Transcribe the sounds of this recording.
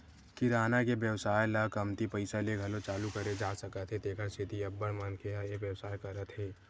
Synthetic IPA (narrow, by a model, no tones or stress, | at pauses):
kiɾaːnakebjəʋsaːjlɐkɐmt̪ipɐɪsalieɡʱɐlot͡ʃaːlukɐɾed͡ʒaːsɐkət̪ɦet̪eːkʰəɾsʰɪt̪iɐbːəɽmənkeɦajeʋjəwsaːjkɐɾət̪ɦɛː